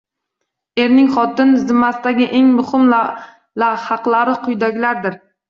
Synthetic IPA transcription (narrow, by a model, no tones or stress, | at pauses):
e̞ɾnɪŋχɒt̪ɪnzɪmːasɪd̪aɡʲɪʔe̞ŋmʊhɪm | lahɑqlˠaɾɪqʰʊjd̪akʲlaɾd̪ɪɾ